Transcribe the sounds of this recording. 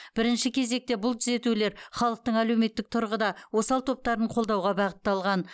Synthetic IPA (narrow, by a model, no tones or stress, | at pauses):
b̥ɪɾɪnʃɪkʲʰe̞ze̞k̚t̪e̞bʊlˠt̪ʰʏze̞t̪ule̞ɾχɑlˠəq̚t̪əɴæle̞wme̞t̪ːɪk̚t̪ʰʊɾʁəd̪ɑwo̞sɑlˠt̪ʰo̞p̚t̪ɑɾəɴqʰo̞lˠd̪ɑwʁɑbɑʁət̪ːɑlˠʁɑn